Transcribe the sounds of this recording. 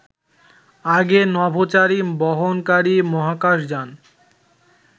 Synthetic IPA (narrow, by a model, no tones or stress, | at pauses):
aɡenɔbʱot͡ɕaɾibɔɦonkaɾimɔɦakaʃ̬d͡ʑan